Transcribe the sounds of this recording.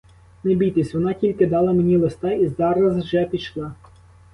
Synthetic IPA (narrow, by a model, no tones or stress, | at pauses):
nebʲijt̪esʲʋɔnɑtʲilʲkɪd̪ɑlˠɐmenʲilˠest̪ɑizɑɾɐzwʒɛpʲiʃlˠɑ